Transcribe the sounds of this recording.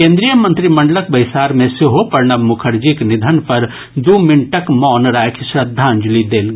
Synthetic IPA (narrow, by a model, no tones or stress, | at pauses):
kẽːnd̪ɾijəmɐ̃nt̪ɾimɐ̃ɳɖləkbɐɪsaːɾmẽsɪɦopɐɾnɐmʊkʰəɾd͡ʒiknɪd̪ʱənpɐɾ | d̪uːmɪɳʈəkmɔːnɾaːjkʰʃɾɐd̪ʱːãːɲd͡ʒlid̪eːlɡ